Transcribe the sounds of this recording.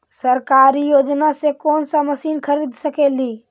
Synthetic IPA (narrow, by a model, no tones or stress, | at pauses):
səɾkaɾijoːd͡ʒnasekoːnsaməsiːnkʰəɾiːd̪ʱsəkeːliː